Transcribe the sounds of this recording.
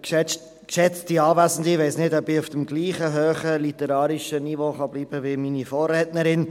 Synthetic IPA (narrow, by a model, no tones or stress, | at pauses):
kʃɛ | kʃɛt͡stiɑːvæsn̩dɪʋɛɪsnɪdɔbɪufd̥əmɡliːχəɦøːχəlit̪əɾɑːɾiʃənivoːχɑbliːb̥əʋɪminifɔːrɛːtnəɾɪn